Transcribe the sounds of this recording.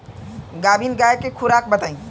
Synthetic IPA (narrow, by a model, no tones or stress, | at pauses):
ɡabʱiːnɡajekekʰuɾak̚bət̪aĩ